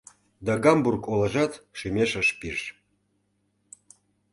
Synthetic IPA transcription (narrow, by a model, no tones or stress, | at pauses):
d̪ɑɡɑmburkolə̆ʒɑt̪ʃymʲeʃəʃpiʃ